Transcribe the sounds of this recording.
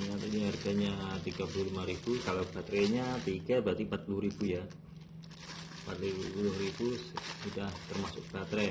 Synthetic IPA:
iŋat̪iniɦarɡaɲat̪iɡapuluhlimaɾib̥ukalobat̪ɾɛɲat̪iɡabɾat̪impat̪̚pulʊhɾibuja | pa̰t̪lipulʊhribusudaht̪ərmasʊk̚b̥at̪ɾɛ

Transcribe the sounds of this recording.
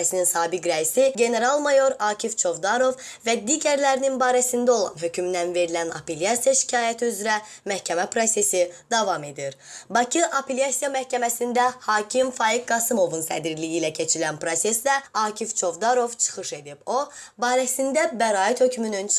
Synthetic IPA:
æsininsɑːbikɾæisiɟe̞ne̞ɾɑlˠmɑjo̞ɾɑːcʰift͡ʃʰo̞vd̪ɑɾo̞vvæd̪iːɟæɾlæɾininbɑːɾæsind̪æo̞lˠɑ̰nɦø̞cʰyminænve̞ɾilænɑ̰peljɑsijaʃi̥cʰɑːjæt̪ʰiyzɾæ | mæhcʰæmæpʰɾo̞se̞sid̪ɑvɑme̞d̪iɾbɑcʰiʔapʰelijasijɑmæhcæmæsind̪æhɑːcʰimfɑɾik̚ɡɑsɯmo̞vunsæ̰d̪iɾlijiːlæcʰe̞t͡ʃʰilænpɾo̞se̞slæɑːcʰift͡ʃʰo̞vd̪ɑɾo̞vt͡ʃʰɯ̥χɯʃe̞d̪ib̥o̞ | bɑːɾæsind̪æbæɾɑːit̪hø̞cʰmynyn

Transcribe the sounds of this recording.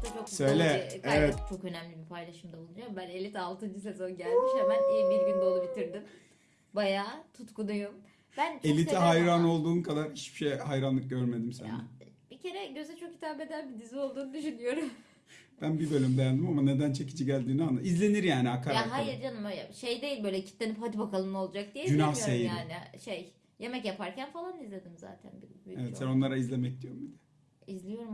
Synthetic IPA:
t̪at͡ʃʰoksøjlʲɛevɛt̪t͡ʃʰo̞kø̞næmlʲibipʰajlˠaʃɯmd̪aolˠud͡ʒambæne̞lʲit̪alˠt̪ɯnd͡ʒɯs̬e̞zo̞nɟælʲmiʃamænijibiɾbind̪olˠubit̪iɾd̪in | bajaːt̪ʰut̪kunujum | b̥ænt͡ʃʰelʲit̪ʰiɦajɾano̞lˠd̪uːnkʰad̪aɾiʃb̥i̥ʃejhajɾanlˠɯk̚ɟøɾme̞d̪imsæ̰nd̰̪ɛb̥ice̞ɾɛɟø̞zɛt͡ʃʰo̞ki̥t̪ʰaːbe̞d̪ænbid̪izio̞lˠd̪uːnud̪yʃynyjo̞ɾum | b̥ænbibølʲymd̪ejand̪imamane̞d̪ænt͡ʃʰecid͡ʒiɟælʲd̪iːnanaizlʲe̞niɾjaːniakʰaɾjaɦajiɾd͡ʒanɯmøjlʲɛ̰ʃe̞jd̪e̞jilʲbø̞jlʲɛcʰi̥t̪lʲeniphad̪ibakalˠɯmno̞lˠd͡ʒak̚d̪ijd͡ʒynahsejiɾaːniʃej | je̞mɛcjapʰaɾcʰænfalˠanizlʲe̞d̪imza̰ːt̪ʰæ̰nbibievɛt̪sæno̞nlˠaɾaizlʲemɛc̚d̪ijoɾumbid̪ɛ̥ | izlʲijo̞ɾum

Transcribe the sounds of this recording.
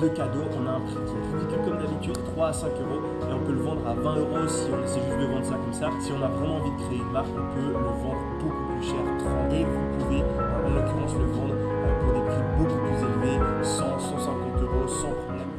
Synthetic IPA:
d̪əkad̪oʔɔ̃naɛ̃pχikʲiɛ̃plikʲykɔmd̪abit̪yd̪t̪χwaːsɛ̃køʁo | eɔ̃pøləvɑ̃d̪ʁavɛ̃øʁosiɔ̃sɛʒyst̪d̪əvɑ̃d̪ʁsakɔmsasiɔ̃navʁɛmɑ̃ːvid̪əkχeelafɔ̃pøləvɑ̃d̪ʁbokuplyʃɛːʁt̪ajevupuve | lɛ̃klyɑ̃sləvɑ̃d̪ʁ | puʁd̪epχibokuplyzelvesɑ̃sɑ̃sɛ̃kɑ̃t̪øʁosɑ̃pχɔblɛm

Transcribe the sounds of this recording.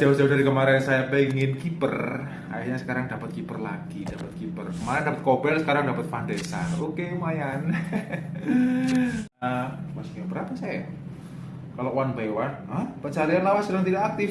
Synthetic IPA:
d͡ʒ̥aud͡ʒaudaɾikəmaɾɛnsajapəŋɪnkipər | a̰jahɲasə̥kaɾaŋdapət̪̚kipərla̰ɡ̥idapət̪̚kipərkəmaɾɛndapət̪̚kobɛlsə̥kaɾaŋdapət̪̚fandesa̰nokemajan | əmasʊ̥kabəɾapasaja | kalowanbewan | əhpət͡ʃaɾianlawasədaŋt̪idakak̚t̪ɪf

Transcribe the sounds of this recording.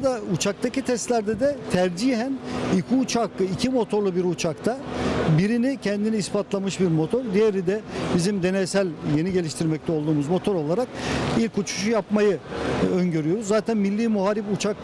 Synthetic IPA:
d̪aut͡ʃʰak̚t̪ʰacit̪ʰɛst̪lʲæɾd̪ɛd̪ɛt̪ʰæɾd͡ʒiɦænicʰiut͡ʃʰakɯicʰimo̞t̪ʰo̞ɾlˠubiɾut͡ʃʰakt̪ʰabiɾinicʰɛnd̪iniːspat̪lˠamɯʃbiɾmo̞t̪ʰo̞ɾd̪ijeɾid̪ɛbizimd̪e̞nesælʲje̞niɟe̞lʲiʃt̪ʰiɾmɛc̚t̪ʰɛo̞lˠd̪uːmuzmo̞t̪ʰo̞ɾo̞lˠaɾak̚ilʲkut͡ʃʰu̥ʃujapmajɯønɟø̞ɾyjo̞ɾuzːaːt̪ʰænmilʲːiːmuɦaːɾiput͡ʃʰak

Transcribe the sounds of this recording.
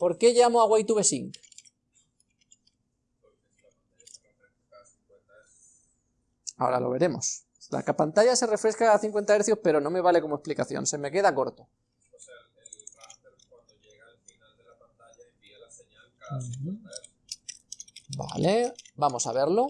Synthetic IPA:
po̞ɾke̞ʝamoaɣwajt̪uβe̞siŋk | oesapant̪akafe | aθiŋkwent̪aeɾθ | ao̞̰ɾa̰lo̞β̞e̞ɾe̞mo̞̰s | la̰kapant̪aʝase̞re̞fɾe̞skaːθiŋkwe̞nt̪aeɾθjohpe̞ɾo̞no̞me̞β̞ale̞ko̞moesplikaθjo̰nse̞me̞ke̞ð̞ako̞ɾt̪o | os | eaeɾkwand̪oʝeɣaelfinald̪elapant̪aʝaembielaseɲalkaaeɾθ | ba̰lebamo̞saβe̞ɾlo̞

